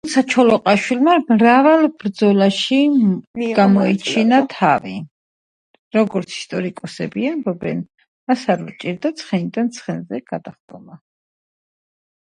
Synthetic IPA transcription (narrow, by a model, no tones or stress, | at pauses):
ut̪sʰat͡ʃʰɔlɔqʼaʃwilmamɾavalˠb̥ɾd̪zɔlaʃi | ɡ̥amɔit͡ʃʰinat̪ʰavḭ | ɾɔɡɔɾt̪sʰi̥st̪ʼɔɾikʼɔsɛbiambɔbɛn | asaɾvt͡ʃʼiɾd̪at̪sʰχɛnid̪ant̪sʰχɛnzɛɡ̥ad̪aχɡ̪ʼɔma